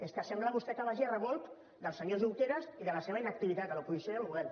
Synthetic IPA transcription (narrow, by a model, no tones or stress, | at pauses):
eskəsɛmblaβust̪ɛkəβaʒirəβolˠt̪ | d̪əlˠsəɲozuwt̪eɾəziðələseβainək̚t̪iβit̪at̪əlopuɣisoəluɣɛl